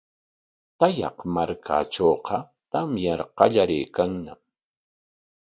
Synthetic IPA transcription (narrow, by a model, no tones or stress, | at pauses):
t̪ajɑ̰qmaɾkʰa̰ʈ͡ʂoːqɑ | t̪amjɑɾqɑʎaɾɪjkaŋnam